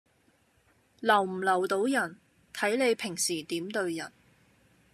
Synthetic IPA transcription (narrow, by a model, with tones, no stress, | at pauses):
lɐ˨˩wm̩˨˩lɐ˨˩wt̪o˨˥wjɐ˨˩n | t̪ʰɐ˨˥jle˨˧jpʰɪ˨˩ŋsiː˨˩t̪iː˨˥mt̪ɵ˧ɥjɐ˨˩n